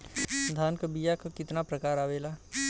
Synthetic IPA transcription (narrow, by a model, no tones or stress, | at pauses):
d̪ʱaːnkəbijakokɪt̪napɾəkaːɾaːʋeːlaː